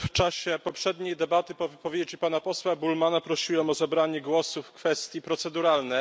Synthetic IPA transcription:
ft͡ʂaɕɛpɔpʂɛd̪ɲejd̪ɛbat̪ɘpɔvɘpɔvʲjed͡ʑipanapɔswabulmanapɾɔɕiwɛmɔzabɾaɲɛɡwɔsufkfɛst̪ʲjipɾɔt̪sɛd̪uɾalnɛ

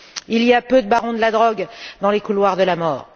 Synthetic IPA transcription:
iliapød̪əbaʁɔ̃d̪əlad̪ʁɔɡd̪ɑ̃lekulwaʁd̪əlamɔːʁ

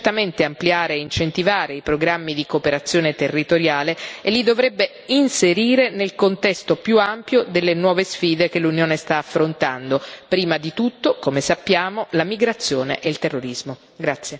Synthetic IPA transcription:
t̪ːament̪eampliaːɾeːint͡ʃent̪ivaːɾeipɾoɡɾamːid̪ikopeɾat̪sːjoːnet̪erːit̪oɾjaːleːlːid̪ovɾɛbːe | inseɾiːɾenelkont̪ɛst̪opjuampjod̪elːenwɔːvesfiːd̪ek̟elunjoːnest̪aːfːɾont̪and̪opɾiːmad̪it̪ut̪ːokomesapːjaːmolamiɡɾat̪sːjoːnḛʔeilt̪erːoɾizmo | ɡɾat̪sːje

